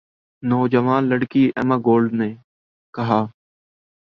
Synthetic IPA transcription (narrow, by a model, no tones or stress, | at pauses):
nɔːd͡ʒəʋaːnləɽkiːɛ̰ːmaːɡoːlɖneː | kəɦaː